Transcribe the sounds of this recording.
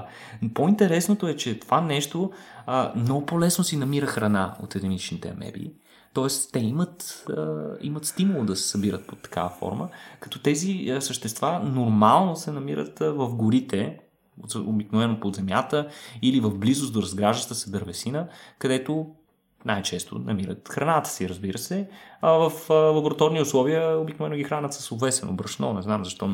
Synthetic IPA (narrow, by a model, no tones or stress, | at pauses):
point̪ɛɾɛsnot̪oɛt͡ʃɛt̪ovanɛʃt̪o | mnɔɡʊpolɛsnosinɐmiɾəxɾɐnao̰t̪ɛd̪ɛnit͡ʃnit̪ɛ̰ɐ̰mɛ̰bḭ | t̪ɔɛst̪ɛimət̪əḭmət̪st̪imulˠod̪ɐsɛ̥sɐbiɾət̪̚pot̪ːɐ̥ka̰vəfɔ̰ɾməkɐ̥t̪ɔt̪ɛzisəʃt̪ɛst̪vanoɾmalˠnosɛnɐmiɾə̰t̪vəfɡʊɾit̪ɛ | oobiknovɛnopod̪zɛmjat̪əilivəvblizʊsd̪oɾɐzɡɾaʒət̪əsɛd̪əɾvɛsinəkɐd̪ɛt̪o | najt͡ʃɛst̪o̰nɐmiɾə̰t̪xɾɐnat̪ə̥siɾəzbiɾəsɛavəflˠɐboɾɐt̪ɔɾniʊslˠɔviəobiknovɛnːʊɡʲixɾanət̪sə̥sovɛt̪st̪vɛ̰no̰bɾɐʃnɔnɛznamzɐʃt̪ɔ